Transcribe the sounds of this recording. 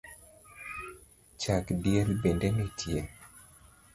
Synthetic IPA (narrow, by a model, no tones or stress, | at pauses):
t͡ʃakdiɛlbɛndɛnitʰjɛ